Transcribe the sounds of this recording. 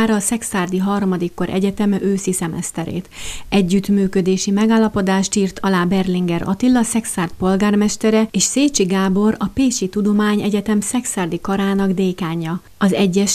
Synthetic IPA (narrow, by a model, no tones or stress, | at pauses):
aːɾɒːsɛksaːrd̪iɦɒrmɒd̪ikːo̞ɾʔɛ̰ɟɛt̪ɛmøːsisɛmɛst̪ɛɾḛːt̪ɛɟːyt̪myːkød̪eːʃimɛɡaːlːɒpo̞d̪aːʃt̪iːrt̪ʰɒlaːbɛrliŋɡɛɾɒ̰t̪ilːɒsɛksaːrt̪̚po̞lɡaːrmɛʃt̪ɛɾɛeːʃseːt͡ʃiɡaːbo̞rɒpeːʃit̪ud̪o̞maːɲɛɟɛt̪ɛmsɛksaːrd̪ikɒɾaːnɒɡd̪eːkaːɲːɒ | ɒzɛɟːɛʃ